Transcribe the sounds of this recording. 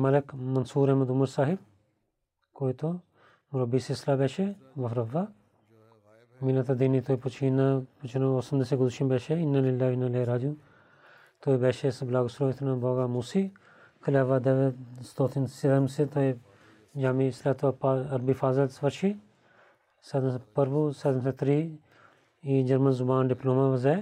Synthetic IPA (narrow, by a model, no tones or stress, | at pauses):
mɐlɪkmɐnsuːɾɐɦmɐd̪ʊmɐɾsaːɦɪb̚ | koːit̪o | mʊɾɐbːiːsislaːbɛːʃeʋɐfɾɐʋːa | minɐt̪ʰɐd̪init̪oːiput͡ʃʰinːaput͡ʃʰnɐoːsɐmd̪ɐseɡʊd̪ʃinbɛːʃeɪnːɐlɪlːaːʋinːɐleːɾaːd͡ʒũː | t̪oːebɛːʃesblaːɡʊsɾoːɪt̪ʰnãboːɡaːmuːsi | kʰɐlaːʋaːd̪eʋest̪oːt̪ʰinsed̪ɐmset̪ʰoe | d͡ʒaːmislaːt̪ʰapaɐɾbiːfaːzɐlsʋɐɾʃʰi | sed̪mspɐɾbuːseːd̪ms̬et̪ɾiː | iːd͡ʒɐɾmɐnzʊbaːnɖɪploːmãːʋɐze